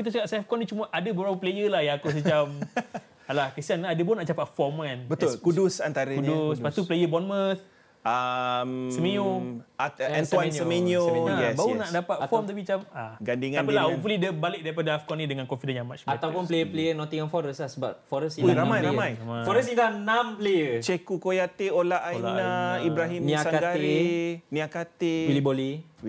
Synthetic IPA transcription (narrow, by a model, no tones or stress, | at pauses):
kit̪at͡ʃakap̚safkɔnit͡ʃumaʔadabəbɾapaplejəlahjaŋakus̬ət͡ʃam | alahkɾist̪ianadəbɔnãʔt͡ʃapat̪̚fɔmkanbət̪ʊlkudʊsant̪aɾəuɲdʊspat̪uplejəbɔnmət̪̚ | əmsəmijoaɛ̃nt̪wasəminiojɛbaunaʔdapat̪̚fɔmt̪ubit͡ʃamaɡandiŋaandlaufulidəbalɪk̚daɾipadaafkɔnidəŋankɔnfidənjãŋmat͡ʃat̪awpunplejəplejənɔ̃t̪iŋɔnfɔɾəslahsəba̰p̚fɔɾəsiuɾamajɾamãjmfɔɾəs̬ilanãmplejət͡ʃekukojat̪eolaʔainaibɾaɦimnĩsaɡaɾinĩakat̪ewiliboli